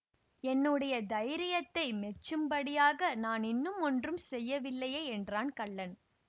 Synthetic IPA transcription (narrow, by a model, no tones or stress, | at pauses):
ɛnːɯɽɐjɐd̪ɐɪɾɪjɐt̪ːɐɪmɛt͡ʃːɯmbɐɽɪjaːɣɐnaːnɪnːɯmɔndrɯmsɛjːɐʋɪlːɐjeːɛndraːnkɐɭːɐn